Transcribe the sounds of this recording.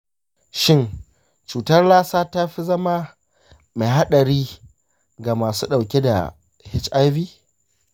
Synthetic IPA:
ʃɪ˦n | t͡ʃuː˨tɐ˦rlaː˦saː˦ta˦ɸi˦zɐ˦ma˦ | me˨jɦa˦ɗɐ˨ɾiː˦ | ɡa˨maː˨sṵː˦ɗa˨wkʲe˦da̰˨ | hɪ˦t͡ʃʔa˦jviː˦

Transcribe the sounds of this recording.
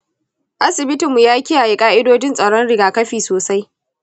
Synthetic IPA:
ʔa˦sɪ˨bɪ˦tɪ˨mːu˨jaː˦kʲɪ˦jaː˨je˨kʼaː˦ʔɪ˦doː˦d͡ʒɪ˦nsʼɐ˨ɽɔ˦nɽɪ˨ɡaː˨kɐ˦ɸiː˨soː˨sa˦j

